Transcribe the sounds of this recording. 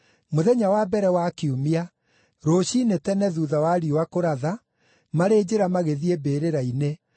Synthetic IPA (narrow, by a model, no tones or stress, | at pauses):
moðɛɲawabɛɾɛwakiumia | ɾoːɕinetɛnɛðuðawaɾiowakoɾaða | maɾeːd͡ʑeɾamaɣeðiebeːɾeɾaine